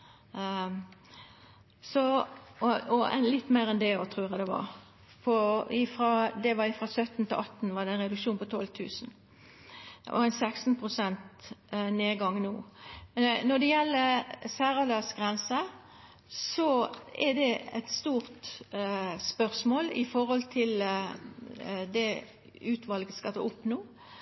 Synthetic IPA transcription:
sɔ | ɔɛ̰nlɪt̪ːmeːɾɛnd̪ɛɔt̪ʰʁʉːʁɑd̪ɛʋɑ̰ɾ | pʰɔɪfɾɑd̪ɛʋɑɪfɾɑsœt̪ːn̩t̪ʰɪlɑt̪ːn̩ʋɑd̪ɛɪnʁɛd̪ʉkʃuːnpɔt̪ʰɔlt̪ʰʉ̰ːsn̩ | ʔɔ̰æɪnsɛksnpʰʁʊsɛnt̪neːɡɑŋːnoː | nɔd̪ɛjɛlːəsæːɾɑlɑsɡʁɛnsə | sɔɛd̪ɛɛt̪st̪uːʁt̪ | spœʁsmoːlɪ̰fɔʁhɔlt̪ʰɪl | d̪ɛ | ʉːt̪ʰʋɑlɡəskɑt̪ʰɑ̰ːʊpnoː

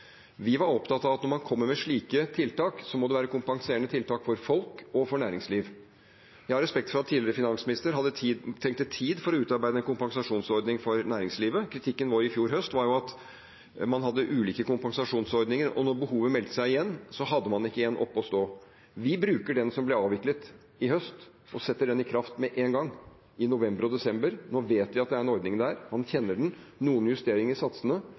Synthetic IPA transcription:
ʋɪʋɑɾɔpt̪ɑt̪ɑʋɑt̪nɔɾmɑnkʰɔmːəmɛʂɭiːkət̪ʰɪlt̪ʰɑːksɔmɔd̪ɛʋæːɾəkʰʊmpɑŋseːəɳət̪ʰɪlt̪ʰɑːkfɔɾfɔlkɔfɔɳæːɾɪŋsliːʋ | jɑhɑɾɛspɛkt̪fɔɾɑt̪ʰːiːlɪɾəfɪnɑnsmɪnɪst̪əɾɦɑd̪ːət̪ʰɛŋk̚t̪ət̪ʰiːd̪fɔɾɔʉːt̪ɑɾbæɪd̪əɛnkʰʊmpɑŋsɑʂuːnsɔɾd̪nɪŋfɔɾnæːɾɪŋsliːʋəkʰɾɪt̪ʰɪkːənʋoːɾɪfjuːɾɦœst̪ʋɑɾjʊɑt̪ | mɑnɦɑd̪ːəʔʉːliːkəkʊmpɑŋsɑʂuːnsɔɾd̪nɪŋəɾɔ̰nɔɾbəhuːʋəmɛlt̪ə̥sæɪɪjɛnːsɔɦɑd̪ːəmɑnɪkːəeːnʔɔ̰pːɔst̪oː | ʋɪbɾʉːkəɖɛnsɔmblɛɑːʋɪklət̪ | ɪhœst̪ | ʔɔsɛt̪ːəɖɛnɪkʰɾɑft̪mɛʔeːnɡɑŋ | ɪnʊʋɛmbəɾɔd̪ɛsɛmbəɾnoːʋeːt̪ʋɪɑt̪d̪ɛæɾɛnɔɾd̪nɪŋd̪æːɾmɑnçɛnːəɖɳ̩n̩ | nuːənjʉst̪eːɾɪŋəɾsɑt̪sənə

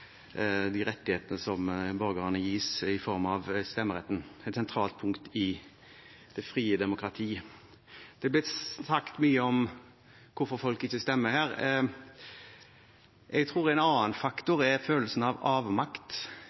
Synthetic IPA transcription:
d̪ɪɾɛt̪ːɪheːt̪ənəsɔmbœɾɡəʁɑnəjiːsɪfɔɾmɑʋst̪ɛmːəɾʁɛt̪ːənɛt̪sɛnt̪ʰɾɑːlt̪̚pʰʊŋkt̪ɪ | d̪̥ɛfɾiːəd̪ɛmʊkɾɑt̪ʰiː | d̪̥ɛblɪt̪sɑkt̪myːəɔm | kʰʊɾfɔɾfɔlkɪçəst̪ɛmːəhæːɾ | ʔɛɡt̪ʰʁuːʁɛɪnɑːənfɑkt̪ʊɾɛɾføːləlsənɑʋɑːʋmɑkt̪

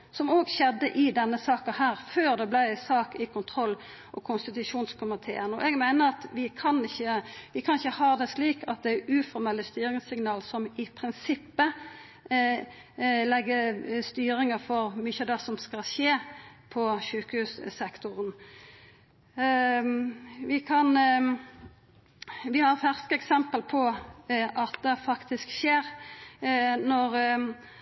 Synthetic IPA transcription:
sɔmoːɡɕɛd̪ːəʔɪd̪ɛnːəsɑːkɑhæːʁføːʁd̪ɛblæɪsɑːkɪkʰʊnt̪ʰɾʁɔlː | ʔɔ̰kʰʊnst̪ɪt̪ʉʂuːnskʰʊmɪt̪ʰḛːənɔ̰ʔɛɡmæɪnəʁɑt̪ʋɪkʰɑnɪçəʋɪkʰɑnɪçəhɑːʁd̪ɛʂliːkɑt̪̚d̪ɛæʉːfɔɾmɛlːəst̪yːɾɪŋsɪŋnɑːlsɔmɪpʰɾɪnsɪpːə | lɛɡːəst̪yːɾɪŋəfɔʁmʏçəd̪ɛsɔmskɑlɕeːpʰɔçʉːkəhʉːssɛkt̪ʊʁən | ʋɪkʰɑn | ʋɪhɑʁfæʁskəɛksɛmpəlpʰɔʔɑt̪̚d̪ɛfɑkt̪ʰɪskʃeːɾ | nɔʁ

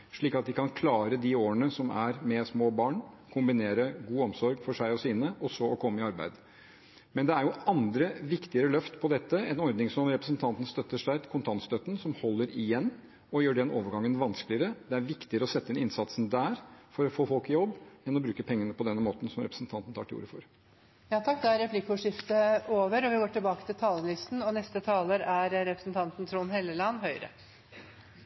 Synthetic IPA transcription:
ʂɭiːkɑt̪̚d̪ɪkʰɑnkʰlɑːɾəd̪ɪoːəɳəsɔmæ̰ɾmɛsmoːbɑːɳ | kʰʊmbɪneːɾəɡuːɔmsɔɾɡfɔʂæɪɔsiːnəɔsɔɔkʰɔmːəɪɑɾbæ̰ɪd̪ | mɛnd̪ɛæɾjʊʔɑnd̪ɾəʋɪkt̪ɪəɾəlœft̪pʰɔd̪ɛt̪ːəɛnɔɾd̪nɪŋsɔmɾɛpɾəsnt̪ʰɑnt̪ən̩st̪œt̪ːəʂæɪkʰʊnt̪ʰɑnst̪œt̪ːnsɔmhɔlːəɾɪjɛnː | ɔjøːɖɛno̰ːʋəɾɡɑŋːənʋɑnsklɪəɾəd̪ɛæɾʋɪkt̪ɪəɾəɔsɛt̪ːəɪnɪnsɑt̪snd̪æːɾfɔɾɔfoːfɔlkɪjɔbːɛnːɔbɾʉːkəpʰɛŋːənəpʰɔd̪ɛnmoːt̪n̩sɔmɾɛpɾəsn̩t̪ʰɑnt̪n̩t̪ʰɑːʈɪṵːɾəfɔɾ | jɑːt̪ʰɑk̚ːd̪ɛæɾɛplɪkːʊʂɪft̪əoːʋəɾɔʋɪɡoːʈɪlbɑːkət̪ɪlt̪ʰɑːləlɪst̪nɔnɛst̪ət̪ʰɑːləɾæɾɾɛpɾəsnt̪ʰɑnt̪n̩t̪ʰɾuːnɦɛlːəlɑnɦœʏɾə̰

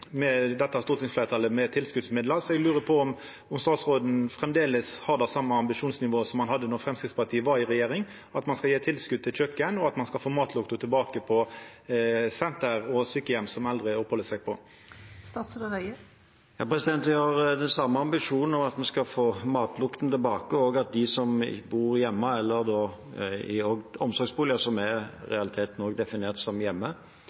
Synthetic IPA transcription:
mɛd̪ɛt̪ːəɑst̪uːt̪ɪŋsflæːʁt̪ʰɑləmɛt̪ʰɪlskʉd̪smɪd̪ləʁsɔɛɡlʉːʁəpʰɔɔm | ɔmst̪ɑːt̪sʁoːd̪n̩fʁɛmd̪eːləshɑʁd̪ɛsɑmːəɑmbɪʂuːnsnɪʋoːsɔmːɑnɦɑd̪ːənʊfɾɛmskʁɪt̪spɑt̪ʰiːəʋɑɾɪʁɛjeːʁɪŋ | ɑt̪mɑnskɑjeːt̪ʰɪlskʉd̪̚t̪ʰɪlt͡ʃʰœkːənɔɑt̪mɑnskɑlfoːmɑːt̪ʰlʊkt̪ʊt̪ʰɪlbɑːkəpʰɔ | sɛnt̪əʁɔsʏkːəjɛmsɔmɑld̪ɾɪɔphɔlːəsɛɡ̚pʰɔ | st̪ɑːt̪sd̪əɾœə | jɑ̰ːpʰɾɛsɪd̪ɛnt̪əɑɾd̪ɛnsɑmːəɑmbɪʂuːnn̩ɔmɑt̪mɛnskɑlfoːmɑːt̪ʰlʊkt̪n̩t̪ɪlbɑːkəoːɡɑt̪̚d̪ɪsɔm̰buːɾjɛmːəɛlːəɾd̪oː | ɪoːɡɔmsɔɾɡsbuːlɪəsɔmɛɾɛɑlɪt̪ʰeːt̪nɔːɡd̪ɛfɪneːʁt̪sɔmjɛmːə

